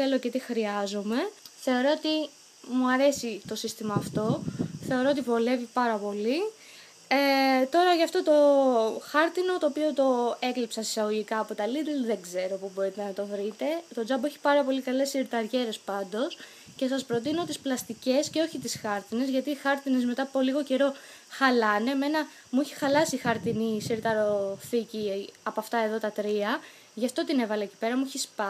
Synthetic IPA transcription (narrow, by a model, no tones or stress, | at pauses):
elo̞cet̪ixɾiɐzo̞me̞θe̞o̞ɾoot̪i | muɐɾe̞sit̪o̞sist̪imɐːft̪o̞θe̞o̞ɾo̞ot̪ivo̞le̞vipɐɾɐpo̞li | et̪o̞ɾɐʝɐft̪o̞t̪o̞xɐɾt̪ino̞t̪o̞ːpio̞t̪o̞e̞klipsɐsi̥sɐɣoʝikɐːpo̞t̪ɐliɾilðe̞ɡze̞ɾo̞pubo̞ɾit̪e̞nɐt̪o̞vɾit̪e̞t̪o̞d͡zɐbeçi̥pɐɾɐpo̞likɐle̞siɾt̪ɐɾʝe̞ɾe̞spɐnd̪o̞s | ce̞sɐspɾo̞t̪ino̞t̪isplɐst̪ice̞sceo̞çit̪isxɐɾt̪ine̞zʝɐt̪iːxɐɾt̪inezme̞t̪ɐpoliɣo̞ce̞ɾo̞ | xɐlɐne̞me̞nɐ | muiçi̥xɐlɐsixɐɾt̪inisiɾt̪ɐɾo̞θiciɐpoɐft̪ɐe̞ðo̞t̪ɐt̪ɾiɐ | ʝɐft̪o̞t̪ine̞vɐleci̥pe̞ɾɐmuiçispɐ